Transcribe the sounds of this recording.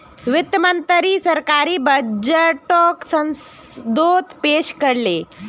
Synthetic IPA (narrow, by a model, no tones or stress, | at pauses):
ʋit̪mənt̪əɾiːsəɾkaɾiːbəd͡ʑəʈɔksə̃nsd̪ot̪peɕkəɽle